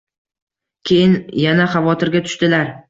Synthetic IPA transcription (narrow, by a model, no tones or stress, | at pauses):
kʲʰe̞jɪnjanaχavɒt̪ʰɪɾɡʲat̪ʰʊ̥ʃt̪ɪlaɾ